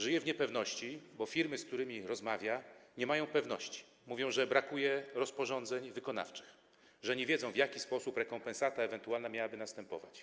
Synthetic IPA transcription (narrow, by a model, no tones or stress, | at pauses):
ʐɘjɛvɲɛpɛvnɔɕt͡ɕibɔfʲiɾmɘskt̪uɾɘmʲiɾɔzmavʲjaɲɛmajɔ̃w̃pɛvn̪ɔ̰ɕt͡ɕi̥ | muvʲjɔ̃w̃ʐɛbɾakujɛɾɔspɔʐɔnd̪zɛɲvɘkɔna̰ft͡ʂɘ̥x | ʐɛɲɛvʲeɛd̪zɔ̃w̃vjakʲispɔsupɾɛkɔmpɛnsat̪aɛvɛnt̪ualnamʲjawabɘnast̪ɛmpɔ̰va̰t͡ɕ